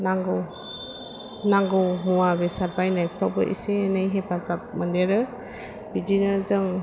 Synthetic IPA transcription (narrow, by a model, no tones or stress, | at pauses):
naŋɡɔ | naŋɡɯwmuwabesaɾbajnajpʰɾawbɯ̰ʔḭseːnɯjɦebʰazap̚mɯndeɾɯ | bidinɯzɯŋ